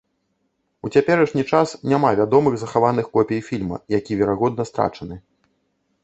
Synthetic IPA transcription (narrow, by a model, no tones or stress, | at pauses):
ut͡sʲapʲɛɾɐʂnʲit͡ʂasnʲamavʲad̪ɔmɨɣzɐxavanɨxkɔpʲɛjfʲilʲmɐ̰jakʲivʲɛɾaɣɔd̪nɐst̪ɾa̰t͡ʂɐnɨ